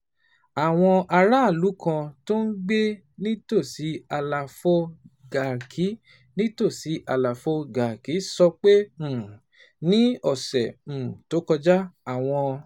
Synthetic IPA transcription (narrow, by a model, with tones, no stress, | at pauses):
a˨w̃ɔ̃˧ʔa˧ɾa˦˨lu˨˦kʰã˧to˦n̩˦ɡ͡be˦ | nĩ˦to˦˨si˨˦a˧la˨fo˦ɡa˨kʰi˨˦ | nĩ˦to˦˨si˨˦ʔa˧la˨fo˦ɡa˨ki˨˦sɔ˧k͡pẽ˦˨ | nĩ˦ɔ˦˨sɛ̃˨to˨˦kɔ˧d͡ʒa˦a˦˨w̃ɔ̃˧